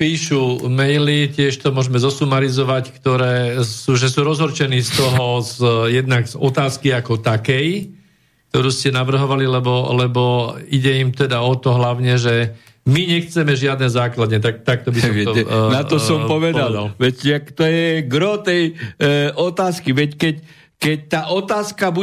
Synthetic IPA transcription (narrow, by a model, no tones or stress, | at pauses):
piːʃumɛjlicɪɛʃt̪ɔmʊɔʒmɛzɔsumaɾizɔʋackt̪ɔɾɛːsuːʒɛsuːɾɔzɦɔɾt͡ʃɛniːst̪ɔɦɔzjɛd̪naɡzɔt̪aːskiakɔt̪akɛj | k̚t̪ɔɾuːscɛnaʋr̩ɦɔʋalilɛbɔlɛbɔiɟɛimt̪ɛd̪aɔt̪ɔɦlaʊɲɛʒɛ | miɲɛxt͡sɛmɛʒɪad̪nɛzaːklad̪ɲɛt̪ak̚t̪ak̚t̪ɔbisɔɔmɔnaɔsɔmpɔʋɛd̪alalʋɛcakt̪ɔjɛɡɾɔt̪ɛjʔɔt̪aːskiʋɛckɛc | kɛc̚t̪aːʔɔt̪aːskabu